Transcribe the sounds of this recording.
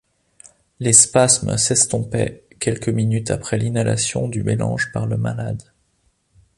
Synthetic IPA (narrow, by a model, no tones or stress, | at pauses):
lɛspasmə̰sɛst̪ɔ̃pɛ̰kʲɛlkəminyt̪apχɛlinala̰sjɔ̰̃d̪ymelɑ̰̃ʒpaʁləma̰lad̪